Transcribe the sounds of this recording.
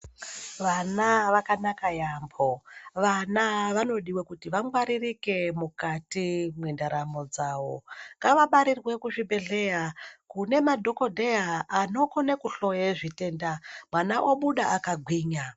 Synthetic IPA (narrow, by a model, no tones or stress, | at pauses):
ʋanaʋakanakajambʰʱoʋanaʋano̞ɗiwekutiʋaŋɡwaɾirike̞mukatimwindaɾamod͡zaːwo̰ŋɡaʋaɓaɾirwe̞kuʐibʱeɮe̞jakune̞madʱo̞ko̞dʱejaːno̞konekuɬo̞jeʐite̞ːndamwanaʔo̞ɓuɗaʔakaɡʱwiːɲa